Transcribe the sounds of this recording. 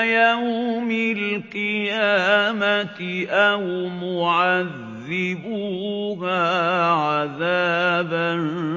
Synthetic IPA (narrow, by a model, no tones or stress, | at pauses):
jawmɪlqɨjamat̪ɪʔawmʊʕaðː | ɪbʊɦaʕaðaːban